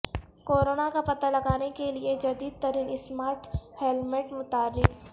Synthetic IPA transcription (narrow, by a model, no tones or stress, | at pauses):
koːɾoːnakapɐt̪alɐɡaːnekelied͡ʒɐd̪iːd̪̚t̪ɐɾiːnɪsmaːɾʈhɛːlmɪʈmʊt̪aːɾːɪk